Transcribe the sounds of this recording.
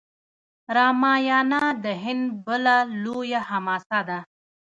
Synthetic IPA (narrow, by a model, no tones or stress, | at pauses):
ɾɑmɑjɑnad̪əɦɪnd̪bəlalojahamɑsad̪a